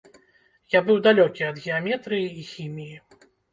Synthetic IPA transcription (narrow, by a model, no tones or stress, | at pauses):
jabɨwd̪alʲɔkʲiɐd̪ɣʲɛamʲɛt̪ɾɨjiːxʲimʲiji